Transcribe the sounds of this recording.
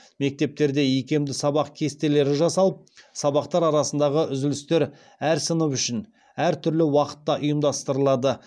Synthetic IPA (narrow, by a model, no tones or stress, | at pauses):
me̞k̚t̪e̞p̚t̪e̞ɾd̪e̞jekʲe̞md̪ɪsɑbɑq̚kʲʰe̞st̪e̞le̞ɾɪʒɑsɑlˠəp̚sɑβɑqt̪ɑɾɑɾɑsənd̪ɑʁəʔʏzɪlɪst̪e̞ɾ | æɾsənəpʏʃɪn | æɾt̪ʰʏɾlɪwɑqə̥t̪ːɑʔʊjəmd̪ɑst̪əɾəlˠɑd̪ə